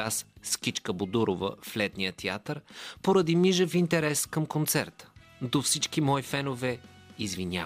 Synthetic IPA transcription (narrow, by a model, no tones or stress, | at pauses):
asskʲit͡ʃkəbod̪uɾovə̰flɛt̪nijət̪ia̰t̪əɾpoɾəd̪imiʒəfint̪ɛɾɛskəmkont̪sɛɾt̪ə̥ | d̪ofsit͡ʃkimɔifɛnovɛ | izvinʲa̰